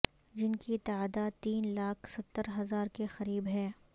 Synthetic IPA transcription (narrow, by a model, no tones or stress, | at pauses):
d͡ʒɪnkit̪aaːd̪at̪iːnlaːkʰsɐt̪ːəɾɦɐzaːɾkexɐɾiːbɦɛː